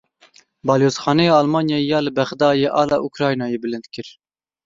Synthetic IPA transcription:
bɑːljoːzχɑːnejeɑlmɑːnjɑːjɑːlɨbɛχd̪ɑːjeʔɑːlɑːʔukʰɾɑːjnɑːjebɨlɨnt̪kʰɨɾ

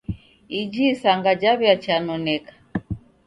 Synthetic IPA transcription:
id͡ʒisaŋɡad͡ʒaβjat͡ʃanɔnɛkḁ

